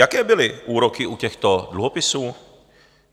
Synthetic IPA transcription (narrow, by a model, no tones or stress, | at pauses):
jakɛːbɪlɪʔuːɾokɪʔucɛxt̪o̞dluɦo̞pɪsuː